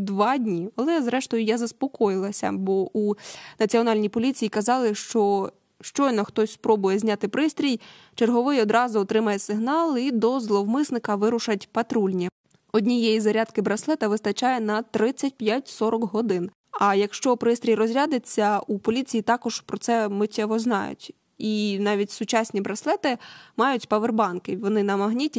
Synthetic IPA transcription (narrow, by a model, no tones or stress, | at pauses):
d̪ʋɑdʲnʲiɐlˠɛzɾɛʃt̪ɔjʊjazɐspɔkɔjɪlˠɐsʲɐ̰bɔʔunɐt͡sʲiɔnɑlʲnʲipɔlʲit͡sʲijikɐzɑlˠɪʃt͡ʃɔ | ʃt͡ʃɔjnɔxt̪ɔsʲspɾɔbʊjɛzʲnʲat̪ɪpɾɪst̪ʲɾʲij | t͡ʃerɦɔʋɪjɔd̪ɾɑzʊɔt̪ɾɪmɐjɛsɪɦnɑlˠid̪ɔzlˠɔwmɪsnɪkɐʋɪɾʊʃɐtʲpɐt̪ɾulʲnʲɐ | ɔdʲnʲijejizɐɾʲad̪kɪbɾɐslˠɛt̪ɐʋɪst̪ɐt͡ʃɑjɛnɐt̪ɾɪt͡sʲːɐtʲpʲjatʲsɔɾɔkɦɔd̪ɪn | ɐjɐkʃt͡ʃɔpɾɪst̪ɾʲijrɔzʲɾʲad̪et͡sʲːɐupɔlʲit͡sʲijit̪ɑkɔʒ̥pɾɔtsɛmɪtʲːɛɦɔznɑ̰jʊ̰tʲ | inɑʋʲitʲsʊt͡ʃɑsʲnʲibɾɐslˠɛt̪ɪmɑjʊtʲpɐʋerbɑnkɪʋɔnɪnɐmɐɦnʲitʲi